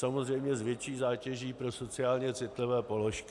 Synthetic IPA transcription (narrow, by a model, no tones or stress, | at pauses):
samozr̝ɛjmɲɛzvjɛt͡ʃiːzaːcɛʒiːpɾo̞so̞t͡sɪaːlɲɛt͡sɪt̪lɪvɛːpo̞loʃk